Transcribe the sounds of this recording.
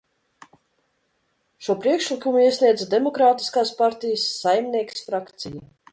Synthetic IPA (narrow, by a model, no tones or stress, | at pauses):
ʃuɔpɾiɛkʃlˠikumuiɛsʲniɛd̪zad̪emɔkɾaːt̪i̥skaːspaɾt̪ijəsːajmnʲiɛki̥sfɾakt̪sija